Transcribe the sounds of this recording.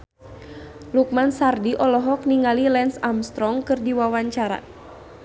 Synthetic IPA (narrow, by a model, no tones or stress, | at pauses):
luk̚mansardiʔɔlɔɦɔk̚niŋalilɛnsamst̪ɾɔŋkɨrdiwawaɲt͡ʃaɾa̰